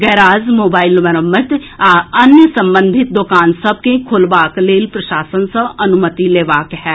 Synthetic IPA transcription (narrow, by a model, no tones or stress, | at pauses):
ɡɛːɾaːzmoːbaːɪlʋəɾəmːət̪ɐnjəsə̃mbə̃nd̪ʱɪt̪̚d̪ʊkaːnsəb̚kẽkʰʊlʋaːkleːlpɾɐʃaːsənsəbɐnʊmət̪ileːʋaːkɦɛː